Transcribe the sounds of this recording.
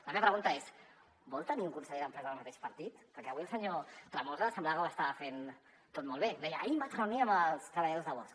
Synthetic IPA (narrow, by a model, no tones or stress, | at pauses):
ləmeβɐpɾəɣunt̪əes | bɔlˠt̪əniuŋkunsəʎeðəmpɾɛzəðəlmət̪eʃpəɾt̪it̪pəɾkɛəβuilsəɲot̪ɾamozəəsəmblaɣawast̪afen | t̪ot̪̚mɔlˠβed̪ɛjəʔaimbatrəwniəməlˠst̪ɾəβɐʎaðozðəβɔsk